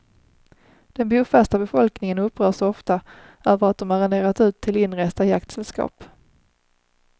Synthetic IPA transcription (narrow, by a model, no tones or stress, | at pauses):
d̪̥ɛnbuːfæʂt̪abɛfɔlknɪŋənɵpːɾœːʂɔɔft̪a | øːvəɾat̪̚d̪ɔmaɾɛnd̪eːɾat̪ʉ̟ːt̪ʰːɪlɪnɾɛst̪ajak̚t̪sɛlskɑ̰ːp